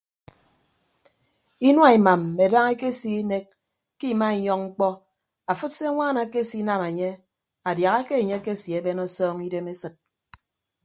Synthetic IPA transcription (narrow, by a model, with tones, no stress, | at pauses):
i˦nwa˦˨i˨ma˨mːe˨da˦ŋe˦ke˦si˦e˦ne˦k̚ | kːi˦˨ma˦i˨ɲɔ˦ŋŋ͡m̩˦k͡pɔ˦ | a˨fu˦tse˦ŋʷaː˦na˨ke˦si˦na˦me˨ɲe˦ | a˨dja˨ɣa˦ke˦e˨ɲe˦ke˦sji˨e˦be˦nɔ˦sɔː˦ŋi˦de˦me˦sɨ˨t̚